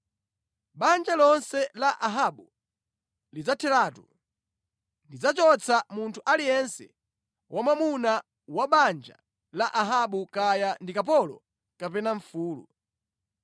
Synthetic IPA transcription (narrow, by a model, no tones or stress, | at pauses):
ɓand͡ʒalɔnsɛlaʔaɦaɓu | lid͡zatʰɛɾatu | ndid͡zat͡ʃɔt͡sʰamuntʰuʔalijɛnsɛ̰ | wʔamamuna | waɓand͡ʒa̰ | laʔaɦaɓukajandikap̬ɔlɔ̰ | kapɛnaɱfuːlṵ